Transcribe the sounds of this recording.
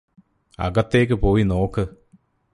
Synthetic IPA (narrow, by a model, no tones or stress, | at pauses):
ɐ̰ɡɐt̪ːeːk̬ːɨpo̞ːjino̞ːkːɨ